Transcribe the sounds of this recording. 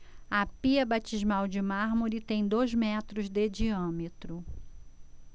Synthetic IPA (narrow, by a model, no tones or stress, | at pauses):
ɐpiɐbat͡ʃizmawd͡ʒɪmaɾmoɾit̪ẽj̃d̪ojzmɛt̪ɾʊzd̪ed͡ʒiɐ̃met̪ɾʊ